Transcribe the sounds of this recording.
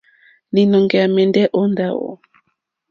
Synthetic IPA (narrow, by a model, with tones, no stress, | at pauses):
ni˨nɔ˨ŋɡɛ˨a˨mɛ˨ndɛ˦ʔo˦nda˦o̰˨